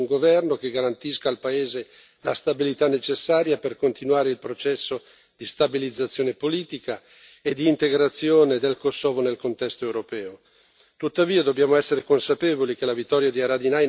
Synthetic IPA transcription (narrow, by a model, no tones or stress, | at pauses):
uŋɡovɛrnok̟eɡaɾant̪iskaːlpaeːze | last̪abilit̪anːet͡ʃesːaːɾjaperkont̪inwaːɾeilpɾot͡ʃɛsːo | d̪̥ist̪abilid̪zːat̪sːjoːnepoliːt̪ika | ed̪iːnt̪eɡɾat̪sːjoːned̪elkosːoɔːvonelkont̪ɛst̪oewɾopɛːo | t̪ut̪ːaviːad̪objaːmoɛsːeɾekonsapeːvolik̟elavit̪ːɔɾjad̪iaɾad̪inaj